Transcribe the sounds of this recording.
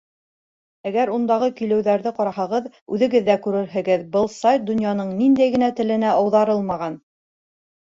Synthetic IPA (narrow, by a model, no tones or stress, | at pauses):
æɡæɾund̪ɑʁɤkilɘ̆wðæɾðɘqɑɾɑhɑʁɤð | ʉðɘ̆ɡɘðːækʉɾɘɾɦɘ̆ɡɘðbɤlˠsajt̪̚d̪ŏnjɑnɤɴnind̪æjɡɘ̆næt̪ɘ̆lɘ̆næʔɑwðɑɾɤlˠmɑʁɑn